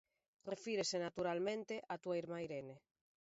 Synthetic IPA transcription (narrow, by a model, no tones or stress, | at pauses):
refiɾesenat̪uɾalmẽnt̪eʔat̪uaiɾmajɾene